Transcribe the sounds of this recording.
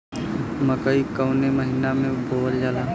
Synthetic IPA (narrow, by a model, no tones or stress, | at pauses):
məkəikəʊneməɦiːnamẽbʱoːʋəɾd͡ʒalaː